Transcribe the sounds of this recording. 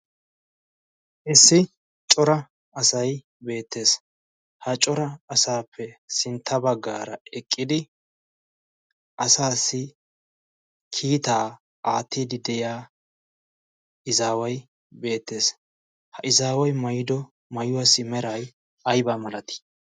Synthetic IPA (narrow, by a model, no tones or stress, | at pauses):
ʔɪsːɪ | t͡ʃʼɔɾɐ | ɐsɐj | be̞ːt̪ːe̞ːs | hɐt͡ʃʼɔɾɐɐsaːpʰːɛsɪnt̪ʰːɐbɐɡːa̰ːɾɐɛkʼːɪd̪ɪ | ʔɐsaːsːɪ | kʰiːt̪aː | aːt̪ːiːd̪ɪd̪ɛjaː | ʔɪzaːwɐj | be̞ːt̪ːe̞ːs | hɐʔɪzaːwɐjmɐjɪd̪ɔ | mɐjʊwɐsːɪmɛɾɐj | ɐjbɐmɐlɐt̪ɪ̥